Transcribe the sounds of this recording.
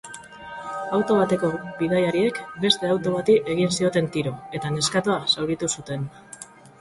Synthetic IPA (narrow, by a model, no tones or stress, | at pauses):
awt̪o̞β̞at̪e̞ko̞bið̞ajaɾie̞kbe̞st̪e̞awt̪o̞βat̪iʔe̞ɣinsio̞t̪e̞nt̪iɾo̞e̞t̪ane̞skat̪uasawɾit̪usut̪e̞n